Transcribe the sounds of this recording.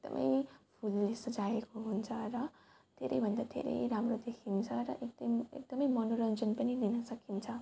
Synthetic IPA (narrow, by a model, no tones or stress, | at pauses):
ek̚d̪ʌ̰mʔʌ̰jpʰulːesʌd͡zaekoɦunt͡sʰʌɾʌ | d̪̥ʱeɾʌ̰jbʱʌnd̪ad̪ʱḛɾḛjɾamrod̪ekʰint͡sʰʌɾʌ̰ʔekd̪ʌmḛk̚d̪̥ʌmʌjmʌnoɾʌnd͡zʌnpʌnilinʌsʌkint͡sʰʌ